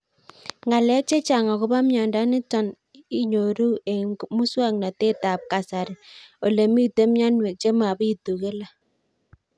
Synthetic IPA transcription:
ŋɡa˨lɛ˦k̚t͡ʃe˦t͡ʃa˨ŋa˨kʊ˦ba˦mjɔ˨nda˦nɪ˦tɔ˨n | i˦ɲo˨ɾu˦e˨mu˦swa˦˨ŋna˨te˦ta˨p̚ka˨sa˨ɾɪ˨o˨le˨mi˦te˦mja˦nwe˨t͡ʃe˦ma˨bi˦tu˨ke˦la˨

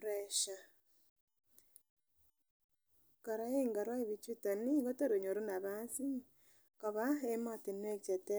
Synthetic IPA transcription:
ɾe˨ʃa˨ | kɔ˨ɾa˨˦e˦ŋɡa˨ɾwa˦e˦βi˨t͡ʃwi˦to˨ni˦ɡo˦to˦ɾe˨ɲo˨ɾu˦na˨βa˦si˦ | kɔ˨βa˦e˦mɔ˦˨ti˨n˦e˦k̚t͡ʃe˨te˦

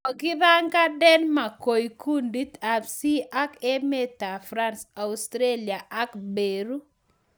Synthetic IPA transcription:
o˨ɡɪ˦ða˦ŋɡa˦dɛ˦nma˨ko˨jkʰu˦ndi˦ta˨fsi˦ʔa˦kɛ˦me˦ta˨fɾa˦nsa˨ustɾe˦li˨a˨ʔa˦kbe˨ɾu˦

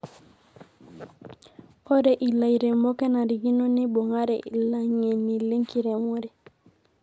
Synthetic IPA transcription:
ko˦ɾe˨ʔi˨la˨i˨ɾe˨mo˦ke˦na˨ɾi˨ɡi˦no˦ni˦bo˨ŋa˦ɾe˨i˨la˨ŋe˨nːi˨le˦ŋki˦ɾe˨mo˦ɾe˨

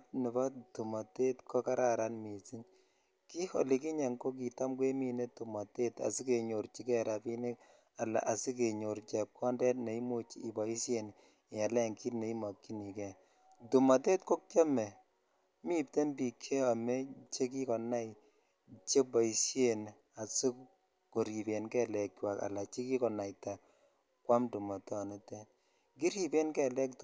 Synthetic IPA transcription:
tnɪ˨ba˦tu˨ma˨te˦tkʰɔ˦ka˦ɾa˦ɾa˨nmi˨ti˦ŋ | ki˦ho̰˨li˨ki˦ɲa˨ŋko˦k̬i˨ta˦mkwe˦mi˦ne˦tu˨ma˨te˦ta̰˨si˦ke˨ɲo˨ɾt͡ʃi˦kɛ˦ɾa˨pi˦ni˦k | a˨la̰˨ʔa˨si˦k̬e˨ɲo˨ɾt͡ʃɛ˨p̚kɔ˦ndɛ˦tne˨i˦mo˦t͡ʃi˦i˨ba˨i˦sje˦n˨ | a˨lɛ˦˨ŋki˦tne˨i˦ma˨kːi˦ni˨kɛ˦ | tu˨mɔ˨tɛ˦t̚ko˦k̚t͡ʃa˦mɛ˨ | mi˦p̚te˦nbi˨kʰːe˦a˨me˦t͡ʃe˦k̬i˦kɔ˨na˦i | t͡ʃe˦bɔ˨i˨sje˨n | a˨si˦ | ko˨ɾi˨be˨nkɛ˦lɛ˨kːwa˨ka̰˨la˨t͡ʃi˦ki˦kɔ˨na˨jta˨ | kwa˦mdu˨mɔ˨tɔ˦ne˦tɛ˦ | ki˦ɾi˨be˦nkɛ˨lɛ˦kt

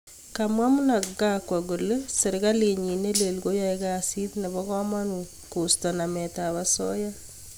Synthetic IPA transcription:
kamwa˦mu˦na˨ɡa˦kwa˨ɡu˨le˦se˨ɾka˦le˨ɲi˨ne˦le˨lɡo˦ja˦e˦kasi˦tnɛ˨βɔ˦kɔ˦ma˦nu | ku˨stɔ˨namɛ˨taβasɔ̰˦ja

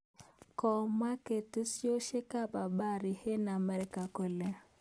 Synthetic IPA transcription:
kɔ˨ma˦ke˨tu˦sjo˦ʃe˦ka˦ba˨ba˦ɾɪ˨he˦na˨mɛ˦ɾka˨ko˨le˨

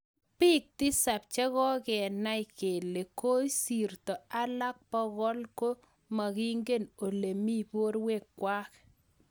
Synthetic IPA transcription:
pi˦k̚tɪ˦sa˨p̚t͡ʃɛ˦ɣɔ˦kɛ˨na˦jke˨le˨ko˦si˨rtɔ˨a˦la˦k̚pɔ˦ɣɔ˦lko˦ | ma˨ki˦ŋɡe˦no˨le˨mi˦po˦ɾwe˦˨kːwa˦k

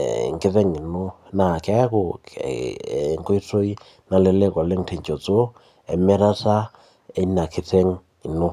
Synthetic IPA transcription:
ŋke˦ðe˦ŋi˨no˦ | na˨kɛ˦ko̰˨ | ŋko˦i˦to˦i˦ | na˨le˦le˦kɔ˨le˦ŋtʰe˨ɲt͡ʃɔ˨t͡so˦ | ɛ̰˨mɛ˦ɾa˦ta˦ | e˦i˦na˨kʰe˨te˦ŋ | i˨no˦

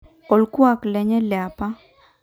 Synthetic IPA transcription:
ɔ˨lkwa˦˨klɛ˨ɲɛ˦lja˨pa˦

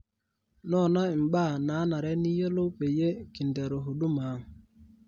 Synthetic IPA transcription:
nɔ˦˨na˦˨ŋ͡m̩˨ɓaː˦˨na˨˦na˨ɾɛ˦ni˦je˦lo˦k͡pe˨je˦ki˨n̩˨de˨ɾo˨ɦu˨du˦ma˨˦ŋ˨

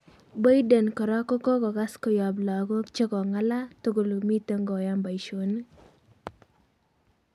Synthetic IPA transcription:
ba˦jde˨nkɔ˨ɾa˦kɔ˦kɔ˦kɔ˨ɡa˦skɔ˨jɔ˨bla˨ɡɔ˦t͡ʃe˦kɔ˨ŋa˦la˦t̪o˦ɡo˨lo˨mi˦t̪o˦ŋɡɔ˨ja˦mba˨i˨ʃo˨n

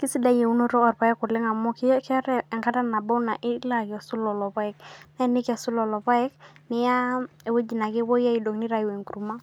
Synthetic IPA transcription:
ki˦si˦da˨˦je˨u˦no˦ɾɔ˦ɔ˨ɾpa˨˦ɛ˦kʊ˨lɪ˦ŋa˨mɔ˦kkɛ˦ɾɛ˦ɛ˨ŋka˦ta˦na˨bɔ˦na˨ʔɪ˦la˦ka˨su˦lɔ˨lɔ˨pa˦ɛ˨k̚na˦nɪ˦kɛ˨su˦lɔ˨lɔ˨pa˦ɛ˦k̚nɪ˦ja˦e˨we˦d͡ʒi˨na˨kɪ˦wɔ˦ja˦i˨do˨ŋnɪ˦ɾa˨jwe˨ŋku˨ɾu˨ma˦

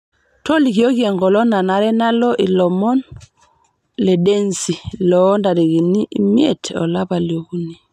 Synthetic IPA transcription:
tɔ˦li˨ki˨o˦ki˦ɛ˨ŋɡɔ˨lɔ˦na˨na˨ɾɛ˦na˦lɔ˦ʔi˨lɔ˨mɔ˦n | lɛ˨de˦nsi˨lɔ˨˦nda˨ɾi˨ɣi˨ni˦ʔi˨mi˦ɛ˦˨tɔ̰˨la˦pa˨ljo˨ku˦ni˨

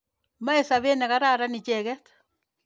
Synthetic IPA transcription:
ma˦e˨sa˨βe˦nɛ˨ka˦ɾa˦ɾa˦nɪ˨t͡ʃɛ˨ɣɛ˦t̪

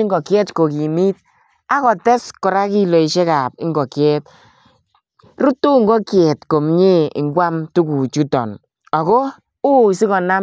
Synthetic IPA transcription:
ɪ˦ŋɡɔ˨kjɛ˦tko˨ki˨mi˦t̚ | a˦kɔ˨tɛ˦skɔ˨ɾa˦ki˦lo˨i˨ʃɛ˦ka˨pɪ˦ŋɡɔ˨kjɛ˦t̚ | ɾu˦tːu˦ŋ˦ɡɔ˦kjɛ˨tko˨mɲe˦ɪ̰˨ŋɡwʷa˦mtu˦ku˨t͡ʃu˦tɔ̰˨n | ɔ˨kɔː˦ | i˨si˦kɔ˨na˦

